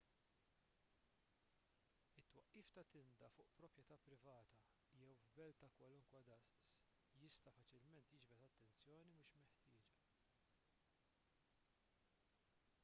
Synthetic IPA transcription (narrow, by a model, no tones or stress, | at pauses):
ɪt̪ːwɐʔːiːft̪ɐt̪ɪnd̪ɐfʊːʔpɾɔpjɛt̪ɐːpɾɪvɐːt̪ɐ | jɛwvbɛlt̪ɐkwɐlʊŋkwɐd̪ɐsʔs | jɪst̪ɐfɐt͡ʃɪlmɛnt̪jɪd͡ʒbɛt̪ɐt̪ːɛnt͡sjɔːnimuːʃmɛħt̪ɪːd͡ʒɐ